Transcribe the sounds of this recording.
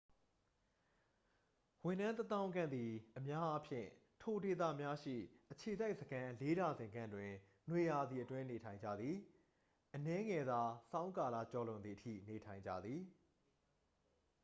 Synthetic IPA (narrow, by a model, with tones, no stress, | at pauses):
wɪ̃˨nã˦nt̪ə˦t̪ã˦ʊ̃ŋɡã̰˦˨nd̪i˨ʔəmja˦ʔa˦pʰjɪ̰̃˦˨ | tʰo˨de˨t̪̬ä̰˦˨mja˦ʃḭ˦˨ʔət͡ɕʰe˨za˦ɪʔsəɡã˦le˦da˨zɪ̃˨ŋɡã̰˦˨ndwɪ̃˨ | nwe˨ja˨d̪ði˨ʔətwɪ̃˦ne˨tʰã˨ɪ̃ɲd͡ʑa̰˦˨d̪ði˨ | ʔənɛ˦ŋɛ˨d̪a˨sã˦ʊ̃ŋka˨la̰˦˨t͡ɕɔ˨lõ˨d̪ði˨ʔətʰḭ˦˨ne˨tʰã˨ɪ̃ɲd͡ʑa̰˦˨d̪ði˨